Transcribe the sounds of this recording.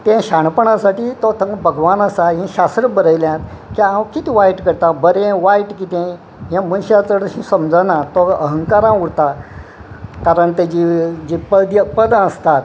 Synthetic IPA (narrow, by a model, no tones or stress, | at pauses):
t̪ɛ̃ɕaɳpəɳãsaʈiːt̪ɔt̪ʰəŋɡbʱəɡʋanəsaɦĩɕast̪ɾəbəɾəjljãt̪ | kiãwkit̪iʋajʈkəɾt̪abəɾẽʋaiʈkit̪ɛ̃ | ɦãmənɕat͡səɽəɕĩsəmd͡zənãt̪ɔəɦəŋkaɾãuɽt̪a | kaɾəɳt̪ed͡ʑid͡ʑipəd̪əpəd̪əst̪at̪